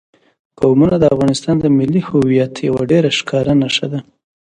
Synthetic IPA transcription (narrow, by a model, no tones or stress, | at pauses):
qawmunad̪əafɣɑnɪst̪ɑnd̪əmɪlːihʊwijat̪jawaɖeɾaʃkʰɑɾanaʃad̪a